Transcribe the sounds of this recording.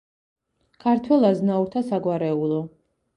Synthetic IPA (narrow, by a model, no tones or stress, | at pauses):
kʰaɾt̪ʰwɛlˠaznauɾt̪ʰasaɡwaɾɛulˠɔ